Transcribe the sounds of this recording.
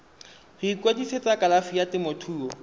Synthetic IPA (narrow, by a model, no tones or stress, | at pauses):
hʊikwediset͡sakʼalafijatɪmotʰuːɔ